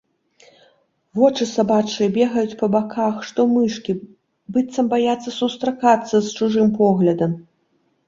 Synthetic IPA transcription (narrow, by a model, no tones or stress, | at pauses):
vɔt͡ʂɨsabat͡ʂɨjɐbʲɛɣɐjut͡sʲpɐbakʰaxʂt̪ɔmɨʂkʲi | bɨt̪sɐmbajat̪sːɐsust̪ɾakat̪sːɐst͡ʂuʐɨmpɔɣlʲɐd̪ɐm